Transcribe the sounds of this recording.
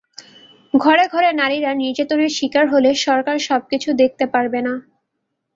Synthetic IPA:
ɡʱɔɾeɡʱɔɾenaɾiɾaniɾd͡ʑat̪oneɾʃikaɾɦoleʃɔɾkaɾʃɔb̚kit͡ɕʰud̪ek̚ʰt̪epaɾbena

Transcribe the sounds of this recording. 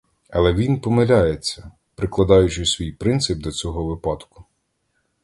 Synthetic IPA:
ɐlˠɛʋʲinpɔmɪlʲajet͡sʲːɐ | pɾɪklˠɐd̪ɑjʊt͡ʃɪsʲʋʲijpɾɪnt̪sɪb̚d̪ɔt͡sʲɔɦɔʋɪpɑd̪kʊ̥

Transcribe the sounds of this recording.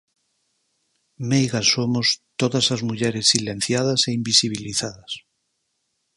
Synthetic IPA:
mejɣasomost̪oðɐsazmuʎɛɾesːilẽn̟θjað̞ɐseimbisiβ̞iliθaðɐs

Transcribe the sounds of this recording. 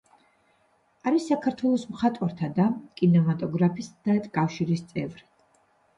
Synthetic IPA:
aɾisːakʰaɾt̪ʰwɛlˠɔsmχat̪ʼwaɾt̪ʰad̪akʼinɛmat̪ʼɔɡɾapʰisd̪̥aɛt̪ʼkʼafʃiɾist̪sʼɛvɾi

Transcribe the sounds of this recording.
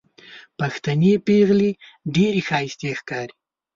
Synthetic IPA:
paxt̪anepeɣliɖeɾexɑjɪst̪exkɑɾi̥

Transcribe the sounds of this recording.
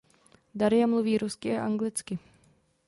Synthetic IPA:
daɾɪjamluviːɾuskɪʔaʔaŋɡlɪt͡skɪ

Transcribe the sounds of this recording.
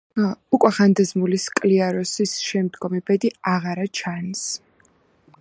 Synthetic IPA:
ukʼwɛχand̪azmuliskʼliaɾɔsisʃɛmd̪ɡɔmibɛd̪iaʁaɾat͡ʃʰans

